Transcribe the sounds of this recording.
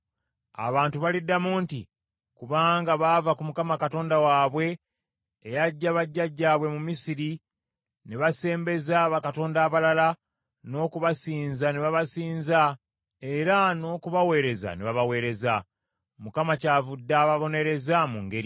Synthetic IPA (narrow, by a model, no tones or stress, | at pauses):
a̰βaːntuβalidːamuːntḭ | kuβaːŋɡaβavakumukamakato̞ːndawaːβwe̞ː | jaɟːaβaɟːaɟːaːβwe̞mumisiɾi | neβase̞ːmbe̞zaβakato̞ːndaːβalala | no̞ːkuβasiːnzaneβaβasiːnza | e̞ɾano̞ːkuβawe̞ːɾe̞za̰neβaβawe̞ːɾe̞za | mukamacaːvudːaːβaβo̞ne̞ɾe̞zamuŋɡe̞ɾi